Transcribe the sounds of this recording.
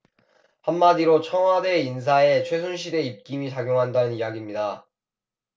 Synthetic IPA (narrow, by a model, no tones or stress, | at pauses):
hamːadiɾot͡ɕʰʌŋwade̞ins̬ʰae̞t͡ɕʰwe̞sʰunɕ̬ʰide̞ip̚k͈imit͡ɕaɡjoŋɦandanɯnijaɡimɲida